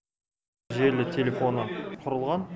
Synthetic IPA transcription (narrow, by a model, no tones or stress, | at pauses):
ʒe̞ɾlɪt̪ʲʰe̞lʲefo̞nəqʰʊɾəlˠʁɑn